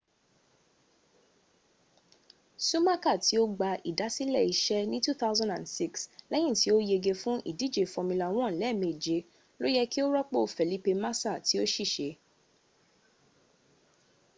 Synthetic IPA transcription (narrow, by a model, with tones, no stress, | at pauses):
su˦ma˦ka˦˨tʰi˨˦o˦ɡ͡ba˧ʔḭ˨da˨˦si˦lɛ˦˨i˧ʃɛ˦nĩ˦tu˦θa˦wzã˦ndã̰˨nsi˦˨kslɛ˦j̃ĩ˦˨ti˨˦o˦je˧ɡe˧fũ˦ʔḭ˦˨di˨˦˨d͡ʒe˨fɔ˧mĩ˧la˨w̃ɔ̃˦˨lɛ˦˨mĩ˧˨d͡ʒe˧˦ | lo˦jɛ˦ki˦o˦ɾɔ˦k͡po˦˨fɛ˨li˨˦pe˧ma˦sa˦˨ti˨˦o˦ʃi˦˨ʃe˨˦